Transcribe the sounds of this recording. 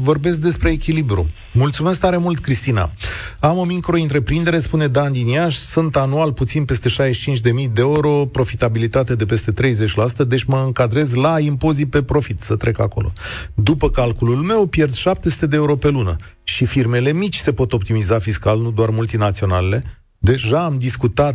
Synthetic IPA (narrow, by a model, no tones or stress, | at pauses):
vo̞rbe̞s̬k̚d̪e̞spɾe̞ːkʲilibɾṵ | mult̪sumeskt̪aɾe̞mult̪kɾist̪ina̰amo̞mikɾo̞int̪ɾe̞pɾind̪e̞ɾe̞spune̞d̪and̪iniaʃsunt̪anualput̪sinpe̞st̪e̞ʃajeʃit͡ʃint͡ʃʲd̪e̞mijd̪e̞eɾo̞pɾo̞fit̪abilit̪at̪ed̪e̞pe̞st̪e̞t̪ɾe̞jze̞t͡ʃʲlasu̥t̪əd̪e̞t͡ʃʲməɨŋkad̪ɾe̞zlaimpo̞zipe̞pɾo̞fit̪sət̪ɾe̞kako̞̰lʔo̞̰d̪upəkalkululme̞wpje̞rd̪sʃap̚t̪e̞su̥t̪ed̪eeuɾo̞pe̞lunə̰ | ʃifirme̞le̞mit͡ʃʲse̞po̞t̪o̞p̚t̪imizafiskalnud̪oarmult̪inat̪sio̞na̰lele̞ | d̪e̞ʒaːmd̪iskut̪at̪̚